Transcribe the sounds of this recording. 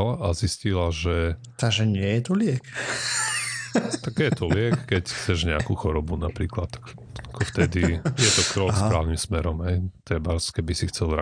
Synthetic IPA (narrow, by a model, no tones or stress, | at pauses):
lʔaziscilaʒɛ | t̪aɡʒɛɲɪɛjɛt̪ɔlɪɛk | t̪aɡjɛt̪ɔlɪɛkkɛcxt͡sɛʒɲɛakuxɔɾɔbunapɾiːklat̪ːḁkakɔft̪ɛd̪ijɛt̪ɔkɾɔksɾaːʊnimsmɛɾɔmɦɛjt̪ɛbaskɛbisixt͡sɛlɾa